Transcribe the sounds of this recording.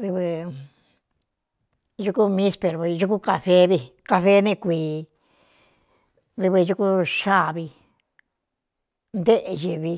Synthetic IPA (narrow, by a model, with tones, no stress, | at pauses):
ðɨ˧βɨ˧ | ʒu˧ku˦mĩ˦spe˧ɾβi˧ʒu˧k̬u˦ka˧fe˧˦βi˧ka˧fe˦nẽ˦˧˨kʷiː˨˧ | ðɨ˧βɨ˧ʒu˧ku˦ʃa˦˨βi˧ | nd̪e˦ʔe˧ʒi˧βi˧